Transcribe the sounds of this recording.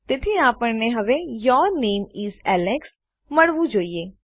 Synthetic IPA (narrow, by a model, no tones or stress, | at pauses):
t̪et̪ʰiaːpəɾneɦɐʋejɔːɾneːmɪzɛːlɛks | məɽʋũd͡ʒoːieː